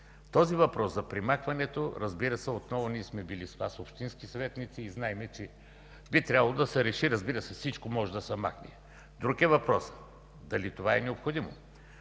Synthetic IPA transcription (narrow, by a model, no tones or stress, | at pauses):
t̪ɔzivɐpɾɔszɐpɾimaxvɐnɛt̪oɾɐzbiɾɐsɛot̪nɔvʊniɛsmɛbilisvasopʃt̪inskisɐvɛt̪nit̪siːznaɛmɛt͡ʃɛ | bit̪ɾʲjabɐlˠod̪ɐsɛɾɛʃiɾɐzbiɾɐsɛfsit͡ʃkomɔʒɛd̪ɐsɛma̰knḭɛ | d̪ɾukʲɛvɐpɾɔs | d̪ɐlit̪ovaɛnɛopxod̪imo̰